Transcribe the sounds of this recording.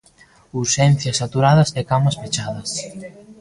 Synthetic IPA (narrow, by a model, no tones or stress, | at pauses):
uʃɛn̟θjɐsat̪uɾaðɐsɛkamɐsfet͡ʃaðɐs